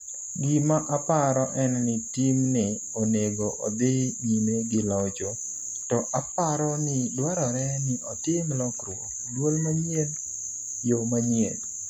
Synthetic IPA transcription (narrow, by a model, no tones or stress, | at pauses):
ɡɪmaʔapaɾɔʔɛnnɪtimnɪ | oneɡoʔɔ̰d̪ɪɲimeɡɪlɔd͡ʒo | tɔʔapaɾɔnɪdwaɾɔɾɛnɪʔɔtɪmlɔkrwokdwolmaɲen | jomaɲjel